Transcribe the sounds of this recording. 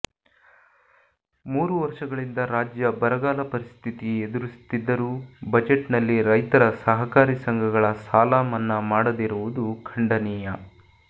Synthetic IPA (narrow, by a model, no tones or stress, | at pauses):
muːɾuʋɐɾʂɐɡɐɭind̪ɐɾaːd͡ʒjɐbɐɾɐɡaːlɐpɐɾist̪ʰit̪ied̪uɾist̪id̪ːɐɾuːbɐd͡ʒeʈnɐlːiɾɐjt̪ɐɾɐsɐɦɐkaːɾisɐŋɡʱɐɡɐɭɐsaːlaːmɐnːɐmaːɽɐd̪iɾuʋud̪ukʰɐɳɖɐniːjɐ